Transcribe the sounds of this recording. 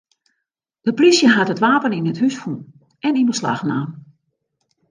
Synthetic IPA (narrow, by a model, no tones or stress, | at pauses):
d̥əprisjəɦatətʋaːpəninəthysfun | ɛninbəsla̰xna̰ːm